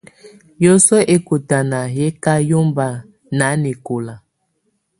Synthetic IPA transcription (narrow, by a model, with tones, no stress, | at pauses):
jo˦sɔ˦ʔe˦ko˨ta˨na˨ɦe˦ka˦jo˦mba˨ | na˨˦ne˨ko˨la˨